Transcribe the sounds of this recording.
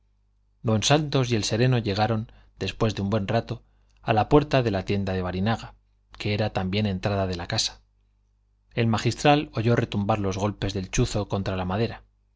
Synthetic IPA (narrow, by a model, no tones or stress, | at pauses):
d̪o̞nsant̪o̞sje̞lse̞ɾe̞no̞ʝe̞ɣ̞aɾo̞n | d̪e̞spwe̞zðeumbwe̞nrat̪o̞ | alapwe̞ɾt̪aðe̞lat̪je̞nd̪aðe̞βaɾinaɣa | ke̞eɾat̪ambje̞nẽ̞nt̪ɾaðaðe̞lakasḁ | e̞lmaxist̪ɾalo̞ʝo̞re̞t̪umbaɾlo̞zɣo̞lpe̞zðe̞lt͡ʃuθo̞ko̞nt̪ɾalamað̞e̞ɾa